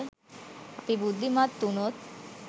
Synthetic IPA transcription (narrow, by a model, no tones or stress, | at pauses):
apibud̪ʱːimat̪ːunot̪̚